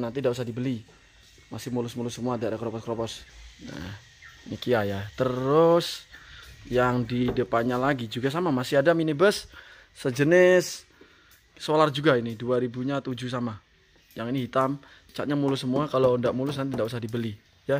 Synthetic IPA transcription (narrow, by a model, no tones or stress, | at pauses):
nant̪indaʔus̬ahdibəli | masɪmulʊsmulʊsəmuadaʔadakɾopɔskɾopɔsnə̰ | mikiajat̪əɾʊs | jaŋdidəpanɲalaɡid͡ʒuɡas̬amamasɪɦadaminibəsː | əd͡ʒənɪsː | olard͡ʒuɡainiduaɾibuɲat̪ud͡ʒus̬ama | jaŋiniɦit̪am | t͡ʃaʔ̚ɲamulʊsːəmuakalondaʔmulʊs̬nant̪indaʔusahdibəli | ja